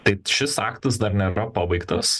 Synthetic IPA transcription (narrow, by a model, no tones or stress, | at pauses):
t̪ɐɪʃʲɪsɑːkt̪ɐsd̪ɐɾnʲeːɾɐpɑːbɐɪkt̪ɐs